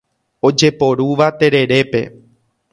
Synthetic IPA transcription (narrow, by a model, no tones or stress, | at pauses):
od͡ʒe̞po̞ɾuʋat̪e̞ɾe̞ɾe̞pe̞̰